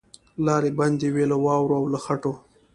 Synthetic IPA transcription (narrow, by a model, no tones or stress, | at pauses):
lɑɾeband̪ewelawɑwɾoawlaxaʈo